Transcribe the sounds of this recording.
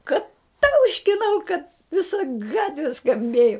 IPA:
ˈkɐ ˈtɐʊʃʲkʲɪnɐʊ kɐt ʋʲɪˈsɐ ˈɡɑːtʲʋʲɪ skɐmʲˈbʲeːjʊ

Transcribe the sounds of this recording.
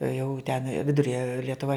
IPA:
jɛʊ tʲɛn ˈʋʲɪdʊrʲɛ lʲiɛtʊˈʋɐ

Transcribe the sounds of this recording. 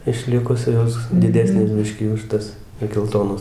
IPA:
ɪʃʲˈlʲɪkʊs ˈjoːs dʲɪˈdʲæːsʲnʲeːs ˈbʲɪʃʲkʲiː ʊʃ ˈtɐs ɪ ɡʲɛlˠˈtoːnoːs

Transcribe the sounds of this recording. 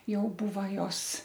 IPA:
ˈjɛʊ ˈbuːʋɐ ˈjoːs

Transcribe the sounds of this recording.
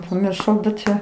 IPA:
pɐmʲɪrˈʃɐʊ bʲɛt ˈt͡ʃʲɛ

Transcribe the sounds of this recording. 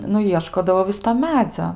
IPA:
nʊ ˈjiɛʃkoːdɐʋoː ˈʋʲɪs toː ˈmʲæːd͡zʲoː

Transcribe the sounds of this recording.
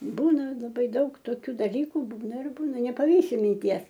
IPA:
ˈbuːnɐ lˠɐˈbɐɪ ˈdɐʊk toːˈkʲuː dɐˈlʲiːkʊ ˈbuːnɐ ɪr ˈbuːnɐ nʲɛpɐˈʋʲiːsʲɪ mʲɪnʲˈtʲiɛs

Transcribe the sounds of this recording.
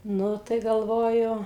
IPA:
ˈnʊ tɐɪ ɡɐlˠˈʋoːjʊ

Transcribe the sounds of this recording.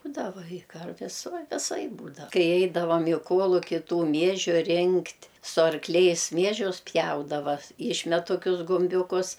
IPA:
ˈbuːdɐʋɐ ɪ ˈkɐrʲʋʲɪs ˈʋɐ ʋʲɪˈsɐɪp ˈbuːdɐw ˈkɐɪ ˈɛɪdɐʋɐm ɪ ˈkuɔlˠʊkʲɪ ˈtuː ˈmʲiɛʒʲʊ ˈrʲɪŋktʲ sʊ ɐrkˈlʲɛɪs ˈmʲiɛʒʲʊs ˈpʲjɛʊdɐʋɐ ˈɪʃʲmʲɛt toːˈkʲʊs ɡʊmʲˈbʲuːkʊs

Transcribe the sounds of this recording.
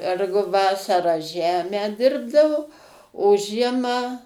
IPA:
ˈɛrɡʊ ˈʋɑːsɐrɑː ˈʒʲæːmʲæː ˈdʲɪrbdɐʋoː oː ˈʒʲiɛmɑː

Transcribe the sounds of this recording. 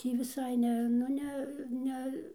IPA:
ˈtʲiː ʋʲɪˈsɐɪ ˈnʲɛ nʊ ˈnʲɛ ˈnʲɛ

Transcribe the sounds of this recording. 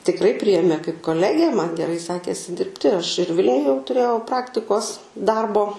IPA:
tʲɪkˈrɐɪ ˈpʲrʲɪjeːmʲeː kɐɪp koːˈlʲæːɡʲæː mɐn ɡʲɛˈrɐɪ ˈsʲæːkʲeːsʲɪ ˈdʲɪrʲpʲtʲɪ ɐʃ ɪr ˈʋʲɪlʲnʲʊj jɛʊ tʊˈrʲeːjɛʊ ˈprɑːktʲɪkoːs ˈdɐrboː

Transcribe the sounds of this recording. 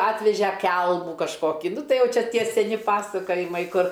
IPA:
ˈɑːtʲʋʲɛʒʲɛ ˈkʲɛlˠmuː kɐʃˈkoːkʲiː ˈnʊ ˈtɐɪ ˈjɛʊ ˈt͡ʃʲɛ ˈtʲiɛ sʲɛˈnʲɪ ˈpɑːsɐkoːjɪmɐɪ ˈkʊr

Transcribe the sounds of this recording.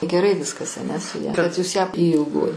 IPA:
ɡʲɛˈrɐɪ ˈʋʲɪskɐs ɐˈnʲɛ sʊ ˈjɛ kɐt juːs jæː iː ɪlˠˈɡoːjɪ

